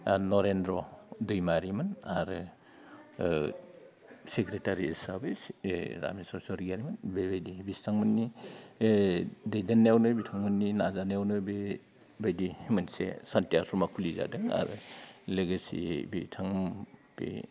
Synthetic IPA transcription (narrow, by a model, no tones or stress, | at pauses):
nɔɾendɾɔdujmaɾimɯnaɾɯ | sekɾetaɾisabisɾa̰misɔɾsɔɾiɡaɾimɯnbebajdibistʰaŋmɯnːi | dejdanːwnɯbitʰaŋmɯnːinazanawnɯbe | bajdimɯnsḛsantiasɔmakʰuliza̰dɯŋa̰ɾɯ̰leɡasḭbḭtʰaŋb̥ḭ